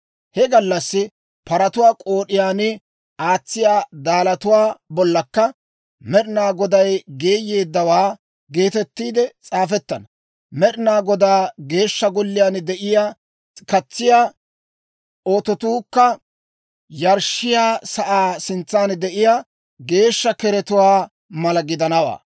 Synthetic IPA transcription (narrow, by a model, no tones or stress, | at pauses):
hɛɡɐlːɐsːɪ | pɐɾɐt̪ʊwaːkʼoːɗɪjaːnɪ | aːt͡sːɪjaːd̪aːlɐt̪ʊwaːbɔlːɐkːɐ | mɛɗɪnaːɡɔd̪ɐjɡe̞ːjːe̞ːd̪ːɐwaː | ɡe̞ːt̪ɛt̪ːiːd̪ɛt͡sʼaːfɛt̪ːɐnɐ | mɛɗɪnaːɡɔd̪aːɡe̞ːʃːɐɡɔlːɪjand̪ɛʔɪjaː | kɐt͡sːɪjaː | ʔoːt̪ɔt̪uːkːɐ | jɐɾʃɪjaːsɐʔaːsɪnt͡sːaːnd̪ɛʔɪjaː | ɡe̞ːʃːɐkɛɾɛt̪ʊwaː | mɐlɐɡɪd̪ɐnɐwa̰ː